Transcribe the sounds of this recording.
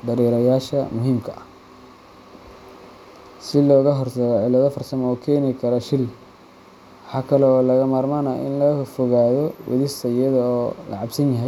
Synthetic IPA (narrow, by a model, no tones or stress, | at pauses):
d̪ɐɾɛːɾɐjaːʃɐmʊɦiːmkʰɐʔɐ | sɪlɔːɣɐɦɔrtɐɣɔʕɪlɐðɔfɐrsɐmɔːkʰɛːnɪkʰɐɾɐʃɪl | wɑħɑːkʰɐlɛɔːlɐɣɐmaːrmaːnɐʔɪ̰nlɐfɔɣaːðɔwʔɔ̰ðɪst̪ʰɐijɐðɔːlʔɐ̰ʕɑbsɐnjɐɦɛj